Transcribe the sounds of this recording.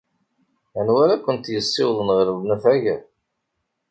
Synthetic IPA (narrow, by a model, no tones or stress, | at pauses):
ænwæɾækʷːənt̪jəsˤːɪwðˤənʁəɾəðnæfæʝəɾ